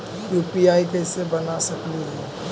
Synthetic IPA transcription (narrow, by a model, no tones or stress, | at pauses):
juːpiaːikɛsebɐnasɐkliɦɛ